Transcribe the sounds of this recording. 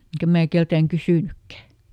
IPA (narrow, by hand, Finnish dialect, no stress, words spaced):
eŋkæ mæː keltæːŋ kysyˑnykːæ